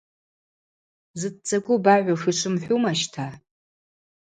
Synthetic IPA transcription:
zɨd̚t͡sʼaɡʷʊbaʕʷaʂʷiʂʷɨmħʷᶣumaʃtʰa

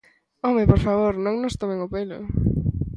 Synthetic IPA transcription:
omepoɾfaβoɾnõŋnʊst̪omẽŋopelʊ̰

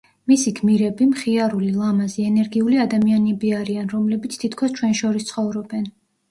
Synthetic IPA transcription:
misiɡʰmiɾɛbimχiaɾulilˠamaziɛnɛɾɡiuliad̪amianɛbiaɾianɾɔmlɛbit̪sʰt̪ʰit̪ʰkʰɔst͡ʃʰwɛnʃɔɾist̪sʰχɔvɾɔbɛn

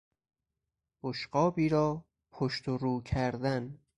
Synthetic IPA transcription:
boʃɢɒːbiːɾɒː | pʰoʃt̪ʰoɾuːkʰæɾd̪æn

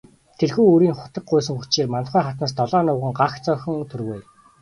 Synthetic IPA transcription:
t̪ʰerxuːɵɾiːŋχʊ̥t̪ə̆k̚ɢʊjs̬ɵ̆ŋxut͡ɕeːrmant̪χæːχat̪naːst̪ɔɮɔːnʊːʁə̆ŋɢaxt͡sœːxɵ̆ŋt̪ʰɵrɣej

